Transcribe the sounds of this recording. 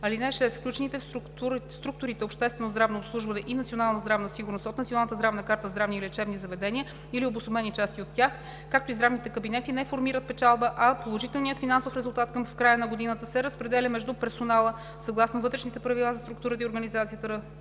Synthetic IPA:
ɐlinɛʃɛsfklʲut͡ʃɛnit̪ɛɾ | uɾst̪ɾuk̚t̪ʊɾit̪ɛopʃt̪ɛst̪vɛnozd̪ɾavnoːpslˠuʒvɐnɛʔinɐt̪sionalˠnəzd̪ɾavnəsiɡʊɾnost̪ot̪nt̪ionalˠnət̪zd̪ɾavnəkaɾt̪əzd̪ɾavnilɛt͡ʃɛbnizɐvɛd̪ɛniə | iliobʊsˠomɛnit͡ʃast̪iot̪ːjax | kak̚t̪oizd̪ɾavnit̪ɛkəbinɛt̪inɛfoɾmiɾət̪̚pɛt͡ʃalˠbəʔɐpolˠoʒit̪ɛlˠnijət̪finansofɾɛzʊlˠt̪at̪kɐmfkɾajənɐɡod̪inət̪əsɛɾəspɾɛd̪ɛlʲəmɛʒd̪upɛɾsonalˠə | sɐɡlˠasnovɤt̪ɾɛʃnit̪ɛpɾɐvilˠazɐst̪ɾukt̪uɾət̪əioɾɡənizat̪sijət̪əɾə

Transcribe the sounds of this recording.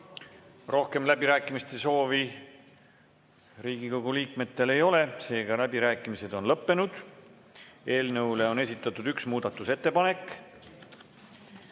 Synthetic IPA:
ro̞hke̞mlæbiɾæːkːˑimist̪e̞so̞ːvi | riːɡ̥iko̞ɡ̥uliːkme̞t̪ːe̞le̞jo̞le̞se̞ːɡ̥ɑlæbiɾæːkːˑimise̞d̪̥o̞nlɤpːe̞nud̪̥ | e̞ːlnɤwle̞o̞ne̞s̬ʲit̪ːˑɑt̪ːˑud̪̥yksmuːd̪̥ɑt̪ːˑuse̞t̪ːe̞pɑne̞kː

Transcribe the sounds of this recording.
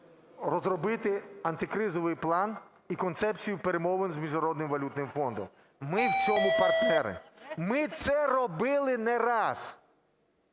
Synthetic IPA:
ɾɔzɾɔbɪt̪ɪɐnt̪ɪkɾɪzɔʋɪjplˠɑn | ikɔnt̪sɛpt͡sʲijʊpeɾemɔʋɪnzmʲiʒnɐɾɔd̪nɪmʋɐlʲut̪nɪmfɔnd̪ɔ̰m | mɪwt͡sʲɔmʊpɐrt̪nɛɾɪ̰mɪt̪sɛɾɔbɪlˠɪnɛɾɑs

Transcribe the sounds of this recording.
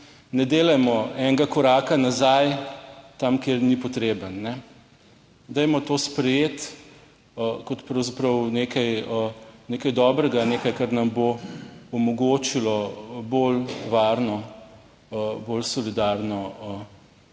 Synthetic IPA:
nɛd̪eːlɐjmɔɛŋɡakɔɾaːkanazajt̪amkeːɾnipɔt̪ɾeːbənːɛ | d̪ɛjmɔt̪oːspɾɛjeːt̪ | kɔt̪pɾɐwzapɾɐwnekʰajəneːkajd̪ɔːbɾɛɡaneːkajkaɾnɐmboɔmɔɡoːt͡ʃilɔbolʋaːɾnɔ | bolsɔlid̪aɾnɔə

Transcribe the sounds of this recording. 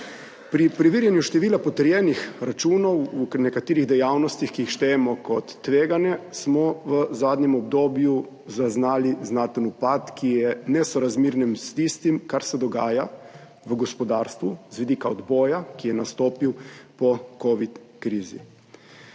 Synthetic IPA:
pɾipɾiʋiːɾjɛnjuʃt̪ɛʋiːlapɔt̪əɾjɛːnixɾat͡ʃuːnɔwunɛkat̪iːɾiɣd̪ɛjawnɔst̪ixkiixʃt̪ɛjɛmɔkɔt̪ːʋeːɡanjɛsmɔʋəzaːd̪nɛmɔbd̪oːbju | zaznaːliznaːt̪ənupat̪kʰijɛnɛsɔɾazmiːɾnimst̪ist̪imkaɾsɛd̪ɔɡaːja | ʋəɡɔspɔd̪aːɾst̪ʋuzʋid̪ikaɔd̪bɔːjakijɛnast̪oːpiwpɔkoːʋit̪ | kɾiːzḭ

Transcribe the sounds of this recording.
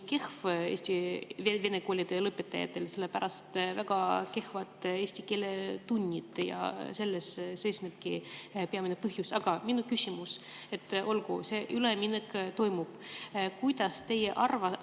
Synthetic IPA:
ke̞hve̞̰ːsʲt̪ieve̞ne̞ko̞ːlʲid̪̥e̞lɤpːet̪ːˑɑ̰jɑ̰t̪ːˑe̞lse̞lːepæɾʔɑst̪væɡ̥ɑke̞hvɑt̪ːˑe̞ːsʲt̪ike̞ːlet̪unʲːit̪ˑjɑ̰se̞lːesse̞jsneb̥̚kipe̞ɑminepɤɦjusɑɡ̥ɑminukysʲimuse̞t̪ːʔo̞lɡṵse̞ːʔyleminekt̪o̞jmub̥kujd̪̥ɑst̪e̞jeʔɑrvɑ

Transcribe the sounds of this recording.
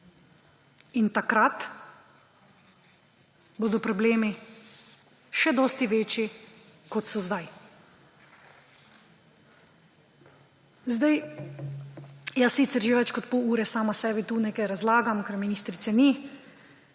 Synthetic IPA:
int̪akɾat̪ | boːd̪ɔpɾɔbleːmi | ʃɛd̪ɔːst̪iʋeːt͡ʃi | kɔt̪sɔzd̪aj | zd̪aj | jasiːt̪sɛɾʒeʋɛt͡ʃkɔt̪pouːɾɛsaːmasɛːbit̪uːnekɛjɾazlaːɡamkɛɾminiːst̪ɾit̪sɛni

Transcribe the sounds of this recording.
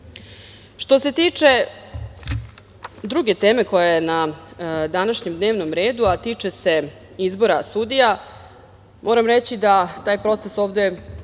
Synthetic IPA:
ʃt̪o̞se̞t̪iːt͡ʂe̞ | d̪ɾuɡe̞t̪e̞ːme̞ko̞jajena | d̪anaʃɲemd̪ne̞ːʋno̞mɾe̞ːd̪uat̪iːt͡ʂese̞ | izbo̞ɾasud̪ija | mʔo̞ːɾamɾet͡ɕid̪at̪aːjpɾo̞t̪seso̞ːʋd̪e̞

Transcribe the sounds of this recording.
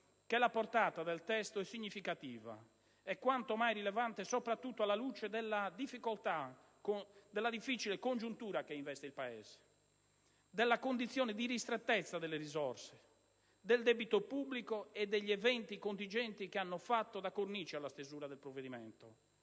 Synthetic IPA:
kelapoɾt̪aːt̪ad̪ɛlt̪ɛst̪oɛsːiɲːifikat̪iːva̰ | ɛkːwant̪omajɾilɛvant̪esɔpɾat̪ːut̪ːoalːaluːt͡ʃed̪ɛlːad̪ifːikolt̪a | kod̪ɛlːad̪ifːit͡ʃilekond͡ʒunt̪uːɾakeiɱvɛst̪eilpaɛ̰ːz̥e̥ | d̪ɛlːakond̪it̪sːjɔːnɛd̪iɾist̪ɾɛt̪ːɛt̪sːad̪ɛlːerizɔrse̥ | d̪ɛld̪ɛbit̪opubːlikoɛd̪ːeʎːiɛvɛnt̪ikont̪̬ind͡ʒɛnt̪ikeanːofat̪ːod̪akornit͡ʃialːast̪ezuːɾaðɛlpɾovːed̪imɛ̰nt̪o

